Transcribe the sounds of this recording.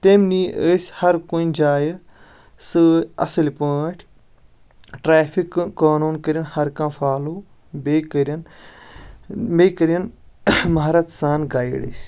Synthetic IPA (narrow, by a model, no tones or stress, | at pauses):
t̪emniːʔəsʲhɐɾkoĩd͡ʒaːjɐ | sɨɐ̰sɨlipəːʈʰ | ʈɾaːfʰikːaːnuːnkəɾʲɐnhɐɾkãːfaːluː | beːkəɾɐn | meːkəɾɐn | mɐɦɾɐt̪saːnɡaːjiɽɨ̰sʲ